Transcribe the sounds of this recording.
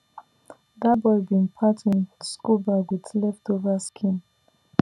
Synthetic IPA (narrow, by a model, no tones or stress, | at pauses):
dabɔɪbĩnpʰatʰĩnskubaɡwidlɛftovaskʰĩn